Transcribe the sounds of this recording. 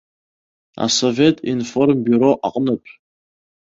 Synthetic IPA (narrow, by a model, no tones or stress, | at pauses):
a̰sove̞tʼinformbyɾo̞ʔaqʼənɨpʼ